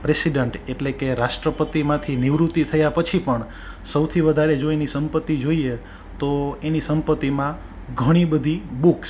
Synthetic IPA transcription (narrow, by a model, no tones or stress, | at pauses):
pɾesiɖəɳʈeʈlekeɾaʃʈɾəpət̪imãt̪ʰiniʋɾut̪ːit̪ʰəjapət͡ʃʰipəɳ | səwt̪ʰiʋəd̪ʱaɾed͡ʒoenisəmpət̪ːid͡ʒoie | t̪oenisəmpət̪ːimã | ɡʱəɽ̃ibəd̪ʱibuks